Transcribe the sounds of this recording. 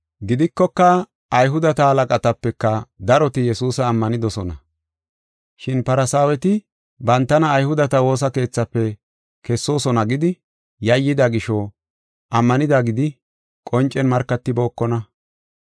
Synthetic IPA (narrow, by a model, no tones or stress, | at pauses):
ɡɪd̪ɪkːɔkːɐ | ʔɐjɦʊd̪ɐt̪ɐhɐlɐkʼɐt̪ɐpːɛkːɐd̪ɐɾɔt̪ɪjɛsuːsɐːmːɐnɪd̪ɔsɔnɐ̰ | ʃɪnpɐɾɐsaːwɛt̪ɪ | bɐnt̪ːɐnɐːjhʊd̪ɐt̪ɐwo̞ːs̬ɐke̞ːt͡sːɐpːɛ | kɛsːo̞ːsɔnɐɡɪd̪ɪ | jɐjːɪd̪ɐɡɪʃɔ | ʔɐmːɐnɪd̪aɡɪd̪ɪ | kʼɔnt͡ʃʼːɛnmɐɾkːɐt̪ːɪbo̞ːkːɔnɐ